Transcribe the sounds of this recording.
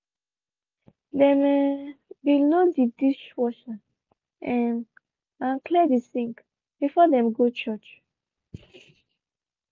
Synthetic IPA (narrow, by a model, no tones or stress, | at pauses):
dɛ̃mɛbilodidiʃwɔʃa | ʔɛ̃n | ãnkʰlɛdisĩŋk | b̥ifɔdɛ̃mɡot͡ʃɔt͡ʃ